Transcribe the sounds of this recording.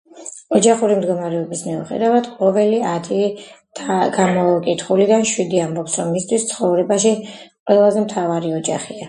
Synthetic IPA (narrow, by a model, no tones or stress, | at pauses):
ɔd͡ʒaχuɾimd̪ɡɔmaɾɛɔbismiuχɛ̰d̪avad̪qʼɔvɛliat̪ʰit̪ʰaɡ̥amɔkʼit̪ʰχulid̪anʃwid̪iambɔpsɾɔmːist̪ʰwist̪sʰχɔvɾɛbaʃiqʼwɛlˠazɛmt̪ʰavaɾiɔd͡ʒaχia